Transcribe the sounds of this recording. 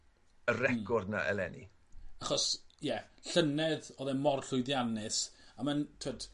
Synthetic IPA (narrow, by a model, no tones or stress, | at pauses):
əɾɛkʰɔrdna̰ʔɛ̰lɛ̰nḭ | aχɔsjɛɬənɛðɔðɛmɔrɬʊjðjanɨsamantʰəd̥